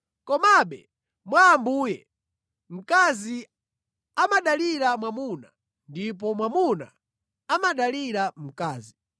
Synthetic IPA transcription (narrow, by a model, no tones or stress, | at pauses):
kɔmaɓɛ | mwaːmbuːjɛ | m̩kazi | amaɗaliɾamwamuna | ndip̬ɔmwamuna̰ | amaɗaliɾam̩kaːzi